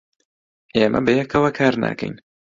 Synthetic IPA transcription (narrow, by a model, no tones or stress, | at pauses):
ʔeːmʔɐ̰bəjɛkʰɐwakʰaːɾna̰ːkɛ̰jn